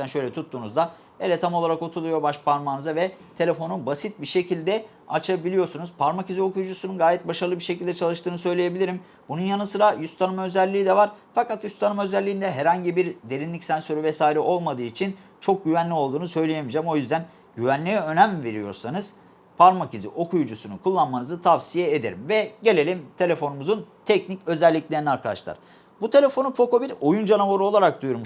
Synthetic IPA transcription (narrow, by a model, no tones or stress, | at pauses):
ænʃø̞jlʲɛt̪ʰut̪ʰːuːnuzd̪a | elʲɛt̪ʰamolˠaɾakot̪ʰulˠujobaʃpʰaɾmanɯzavɛt̪ʰelʲe̞fo̞nubasit̪̚biʃe̞cʰilʲd̪ɛ | a̰t͡ʃʰabilʲijo̞ɾsunuz̥pʰaɾmacizio̞kʰujd͡ʒusununɡaːjɛt̪̚baʃaɾɯlˠɯbiɾʃe̞cʰilʲd̪ɛt͡ʃʰalˠɯʃt̪ɯːnɯsø̞jlʲeje̞bilʲiɾim | bununjanɯnsɯɾajyst̪ʰanɯmaø̞zælʲːiːd̪ɛvaɾfakat̪jyst̪ʰanɯmø̞zælʲːiːnd̪ɛɦɛɾhaɲɟibiɾd̪e̞ɾinlʲicsænsø̞ɾyvɛsaːiɾɛʔo̞lˠmad̪ɯːit͡ʃʰint͡ʃʰo̞k̚ɟyvænlʲio̞lˠd̪uːnusø̞jlʲejemid͡ʒæmo̞jyzd̪æn | ɟyvænlʲijɛø̞næmve̞ɾijoɾsanɯz̥ | pʰaɾmacizḭʔo̞kʰujud͡ʒusunukʰulˠːanmanɯzɯt̪ʰavsijɛed̪e̞ɾḭmvɛɟe̞lʲe̞lʲimt̪ʰe̞lʲe̞fo̞numuzunt̪ʰɛcnicø̞zɛlʲːiclʲe̞ɾiniaɾkʰalˠa̰ʃlˠa̰ɾ̥ | but̪ʰe̞lʲe̞fo̞nupo̞ko̞biɾo̞jund͡ʒanavoɾuo̞lˠaɾak̚d̪ujuɾmu